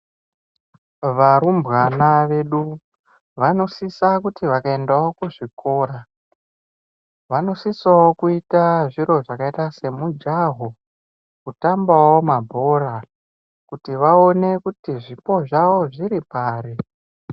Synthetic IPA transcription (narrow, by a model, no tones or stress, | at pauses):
ʋaɾumbɣanaʋe̞ɗu | ʋano̞sisakutiʋakaendao̞kuʐikʰo̞ːɾa | ʋano̞sisawokuitaʐiɾo̞ʐakaitase̞mud͡ʒaɦo | kutambawo̞mabʱo̞ɾa | kutiʋao̞ne̞kutiʐipo̞ʐawo̞ʐiɾipaːɾi